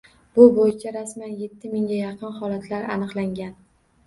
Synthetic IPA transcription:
b̥ʊbojɪt͡ʃʰaɾasmanje̞t̪ʰːɪmɪŋɡʲajɑqʰɨnhɒlat̪ʰlaɾanɨqlˠaŋɡʲan

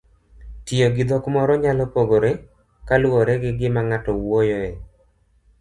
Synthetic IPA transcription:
tɪjoɡɪd̪ɔkmɔɾɔɲalɔpoɡoɾe | kalwɔɾɛɡɪɡɪmaŋatɔwojɔɛ

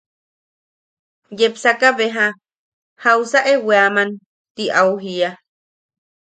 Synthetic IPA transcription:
jepsakaβeɦa | hausaʔeweaman | t̪iʔauɦia

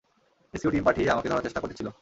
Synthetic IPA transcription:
esiuʈimpaʈʰieamaked̪ʱɔɾaɾt͡ɕeʃʈakoɾʈʰet͡ɕʰilo

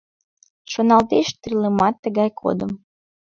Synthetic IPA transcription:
ʃonɑlt̪eʃt̪riləmɑt̪ːəɣɑjkʰo̰d̪əm

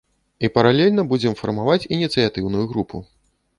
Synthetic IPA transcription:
ipɐɾalʲɛlʲnɐbud͡zʲɛmfɐ̰rmavat͡sʲinʲit̪sɨjat̪ɨwnujuɣɾupʰu

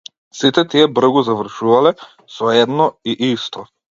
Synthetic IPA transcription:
sit̪ɛt̪iɛbr̩ɡuzavr̩ʃuvalɛ | sɔɛd̪nɔiʔist̪ɔ

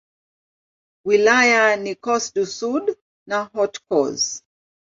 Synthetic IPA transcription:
wilajanikɔsdusud | naɦɔtkɔ̰z

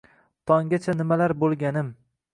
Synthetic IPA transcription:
t̪ʰɒŋɡʲat͡ʃʰanɪmalaɾbolˠɡʲanɪm

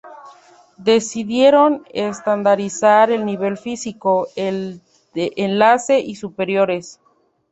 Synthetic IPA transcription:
d̪e̞siðje̞ɾo̞nest̪and̪aɾisaɾe̞lniβ̞e̞lfisikoel | d̪eʔenlase̞ʔisupe̞ɾjo̞ɾe̞s

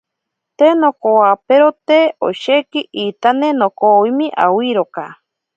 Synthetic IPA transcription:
t̪enokowapeɾot̪eo̰ʃekiʔit̪anenokowimĩʔa̰wiɾoka

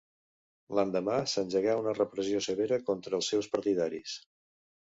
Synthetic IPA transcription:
land̪əmasənʲʒəɣaunərəpɾəziosəβeɾəkɔnt̪ɾəːlˠsːɛwspəɾt̪iðaɾis

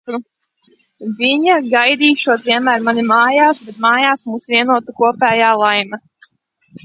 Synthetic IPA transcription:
ɾu | vʲiɲaɡajd̪iːʃuɔt̪vʲiɛnmæːɾmanimaːjaːsbɛt̪maːjaːsmuːsviɛnuɔt̪ukuɔpɛːjaːlˠajmɐ

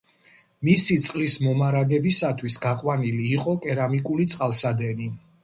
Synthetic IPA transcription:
misit̪sʼqʼlismɔmaɾaɡɛbisat̪ʰwisɡaqʼwaniliːqʼɔkʼɛɾamikʼulit̪sʼqʼalˠsad̪ɛni

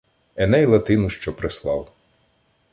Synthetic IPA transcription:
ɛnɛjlˠɐt̪ɪnʊʃt͡ʃɔpɾɪslˠɑw

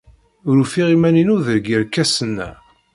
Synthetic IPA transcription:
ʊɾufiʁimæninuðəɾɡiɾkːæsənːæ̰

